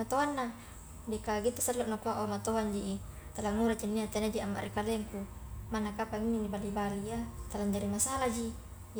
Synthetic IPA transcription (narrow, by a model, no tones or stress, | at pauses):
at̪oanːa | dikaɡit̪asalloʔnakuaʔomat̪oɦand͡ʒiʔi | t̪alaŋuɾat͡ʃinːiat̪enad͡ʒiamːa̰ʔɾʔikaleŋkumanakapaŋininibalibaliat̪alaɲd͡ʒaɾimasalad͡ʒi